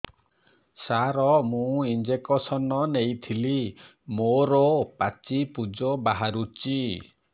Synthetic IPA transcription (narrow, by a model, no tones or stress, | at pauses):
saɾɔmũind͡ʒekɔsɔnɔnejt̪ʰili | moɾɔpat͡ʃipud͡ʒɔbaɦaɾut͡ʃi